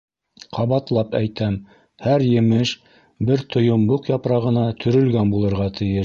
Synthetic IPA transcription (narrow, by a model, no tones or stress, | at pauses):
qʰɑβɑt̪lˠɑpæjt̪æm | hæɾjɘ̆mɘʃ | bɘɾt̪ʰŏjŏmbuqjɑpɾɑʁɤ̆nɑt̪ʰɵ̆ɾɵ̆lɡænbulˠɤ̆ɾʁɑt̪ʰɘ̆jɘʃ